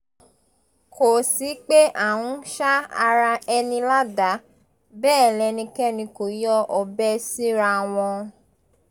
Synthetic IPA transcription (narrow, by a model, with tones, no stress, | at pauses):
kʰo˨si˨˦k͡pe˦ʔa˨wũ˦ʃa˦a˧ɾa˧ɛ˧nĩ˧la˦da˨˦ | bɛː˦˨lɛ˧nĩ˧kɛ˦nĩ˧ko˨˦jɔ˦ʔɔ˧bɛ˦si˦ɾa˧w̃ɔ̃˧